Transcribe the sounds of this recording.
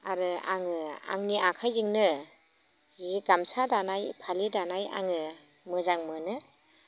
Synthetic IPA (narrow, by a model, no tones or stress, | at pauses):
aɾɯa̰ŋɯa̰ŋniʔakʰajzɯŋnɯ | ziɡamsadanajpʰalidanaja̰ŋɯ | mɯzaŋmɯnɯ